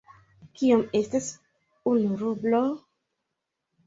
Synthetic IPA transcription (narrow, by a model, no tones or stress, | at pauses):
kiamestas | unuɾublo